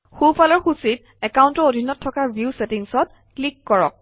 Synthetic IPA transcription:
xupʰalɔɹxusit̚ | ɛkawntɔodʱinːɔtʰːɔkaɹbjuusetiŋsɔt̚ | klikːɔɹɔ̰k̚

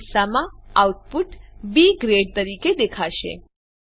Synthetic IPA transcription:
samãauʈ̚puʈbiɡɾeɖt̪əɾiked̪ekʰaʃḛ

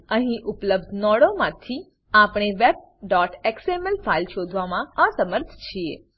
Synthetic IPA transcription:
əɦĩʔʊpləbd̪ʱnɔɽomãt̪ʰi | apɽ̃eʋeb̚ | ɖɔʈeksemelfailʃod̪ʱʋamãasəməɾt̪ʰt͡ʃʰiḛ

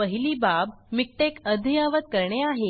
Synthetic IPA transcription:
əɦiliːbabmik̚ʈekəd̪ʱijaʋət̪̚kəɾɳeaɦe

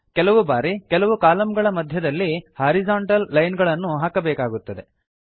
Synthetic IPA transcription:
kɛlɐʋubaːɾikɛlɐʋukaːlɐmɡɐɭɐmɐd̪ʱjɐd̪ɐlːihaːɾizaːɳʈɐlːɐjnɡɐɭɐnːuɦaːkɐbɛːkaːɡut̪ːɐd̪e̞

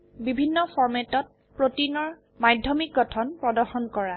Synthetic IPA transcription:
bibʱinːɔfʰɔɹmɛtɔt̚ | pɹotinɔɹ | majdʱjɔmik̚ɡɔtʰɔnpɹɔdɔxɔnkɔɹa

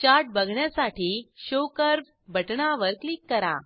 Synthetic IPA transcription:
t͡ɕaɾʈ̚bəɡʱɳjasaʈʰiːɕokəɾ | bʱəʈɳaʋəɾklikːəɾa̰

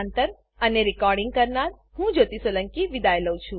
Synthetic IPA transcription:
ant̪əɾ | əneɾikɔɾɖiŋɡ̚kəɾnaɾ | hũd͡ʒot̪isoləŋkiʋid̪ajləwt͡ʃʰũ

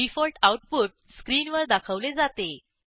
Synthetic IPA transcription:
ifɔlʈauʈ̚poʈ̚skɾiːnʋəɾd̪akʰəʋled͡zat̪e

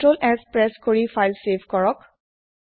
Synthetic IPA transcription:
ʈɹolɛspɹɛskoɹifajlsebkɔɹɔk

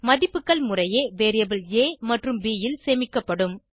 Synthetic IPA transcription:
mɐðɪpːɯkːɐɭmʊrɐjeːʋeːɾɪjɐbɪleːmɐʈrɯmbiːjɪlseːmɪkːɐpːɐɽɯm

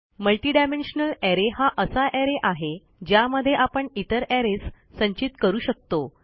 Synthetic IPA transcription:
məlʈiːɖamenɕnəlæɾeɦaʔəsaʔɛɾeʔaɦe | d͡ʑjaməd̪ʱjeʔapəɳit̪əɾæɾesː | ə̃ɲt͡ɕit̪kəɾuːɕək̚t̪o

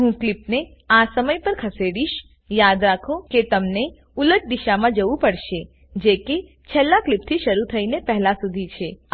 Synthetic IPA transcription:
ɦũklipne | asəməjpəɾkʰəseɽiʃ | jad̪ɾakʰoket̪əmne | uləʈ̚d̪iʃamãd͡ʒəʋũpəɽʃe | d͡ʒeke | t͡ʃʰɛlːaklɪp̚t̪ʰiʃəɾut̪ʰəinepɛɦlasud̪ʱit͡ʃʰe

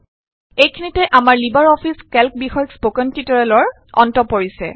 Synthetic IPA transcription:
ejkʰinitɛʔamaɹlibaɹɔpʰiskɛlk̚bixɔjɔkspokɔntitɔɹalɔɹ | ɔ̰ntɔpoɹisɛ̰

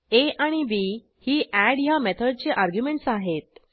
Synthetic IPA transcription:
eʔaɽ̃iʋi | hiːʔæɽjamɛt̪ʰəɖt͡ɕeʔaɾɡjumeɳʈsaɦet̪̚

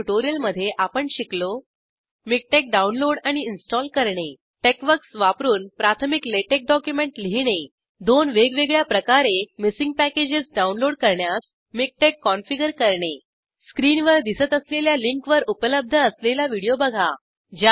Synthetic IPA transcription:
ʈoɾijəlməd̪ʱːjeʔapəɳɕiklo | mik̚ʈek̚ɖaunloɽaɽ̃iːnsʈɔlkəɾɳe | ʈekʋəksʋapɾuːnpɾat̪ʰəmikleʈek̚ɖɔkjumeɳʈliɦɽ̃e | d̪onʋeɡʋeɡɭjapɾəkaɾemisiŋɡ̚pæked͡ʑisɖaunloɽkəɾɳjas | mik̚ʈekːɔnfiɡəɾkəɾɳe | skɾinʋəɾd̪isət̪əsleljaliŋkʋəɾupələb̚d̪ʱəːslelaʋiɽijobəɡʱa̰ | d͡ʑa

